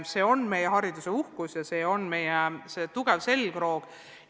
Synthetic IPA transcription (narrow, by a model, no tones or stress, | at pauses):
se̞ːo̞nme̞jeɦɑɾid̪useuhkusjɑse̞ːo̞nmejese̞t̪uɡ̥e̞vse̞lkro̞ːɡ̥